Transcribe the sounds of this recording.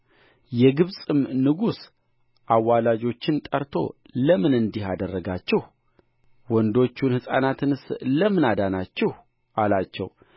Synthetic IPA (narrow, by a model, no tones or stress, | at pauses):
jɛɡɨβsʼɨmnɨɡus | ʔawːalad͡ʒo̞t͡ʃːɪnt̪ʼəɾt̪ʰo̞̰ | ləmɨnɨnd̪ihad̪ərːəɡat͡ʃːɛh | wɔnd̪o̞t͡ʃːunhɨsʼa̰nat̪ʰɨnɨsləmɨnad̪anat͡ʃːɛh | ʔalat͡ʃːɛ̰w